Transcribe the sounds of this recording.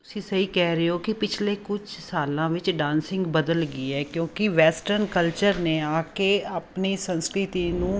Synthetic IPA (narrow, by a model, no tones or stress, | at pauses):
t̪ʊsĩːsəɦiːkɛːɾeoːkɪpɪt͡ʃʰleːkʊd͡ʒsaːlãːʋɪt͡ʃɖãːnsɪ̃ŋɡbəd̪əlɡiːɛːkjõːkɪʋɛːsʈəɾnkəlt͡ʃəɾneːaːkeːaːpniːsə̃nskɾɪt̪iːnũː